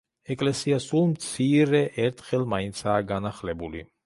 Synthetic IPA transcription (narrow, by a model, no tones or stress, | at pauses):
ɛkʼlɛsiasulˠmt̪sʰiɾɛʔɛɾt̪ʰχɛlˠmaint̪sʰaːɡanaχlɛbuli